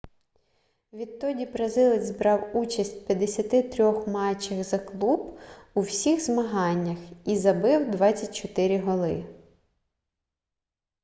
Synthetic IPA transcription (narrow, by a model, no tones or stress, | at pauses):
ʋʲid̪̚t̪ɔdʲibɾɐzɪlˠɪzʲzbɾɑwut͡ʃɐsʲt̚ʲpʲjɐd̪esʲɐt̪ɪt̪ɾʲɔxmɑt͡ʃːɐxzɐklˠubuwsʲixzmɐɦɑnʲːɐxizɐbɪwd̪ʋɑt͡sʲːɐt̚ʲt͡ʃɔt̪ɪɾʲiɦɔlˠɪ̰